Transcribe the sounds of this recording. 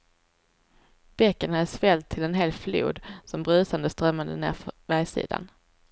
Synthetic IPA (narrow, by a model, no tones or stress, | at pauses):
b̥ɛkːənhad̪əsvɛlt̪ʰːɪlɛnɦeːlflṵːd̪sɔmbɾʉ̟ːsand̪əst̪ɾœmːand̪ənḛːɾfvɛːjsḭːd̪a̰n